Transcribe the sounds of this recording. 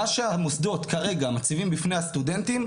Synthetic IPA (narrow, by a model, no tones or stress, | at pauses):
aʃeamosd̪o̞tkaʁe̞ɡamat͡sivimbifne̞jhast̪ude̞ntim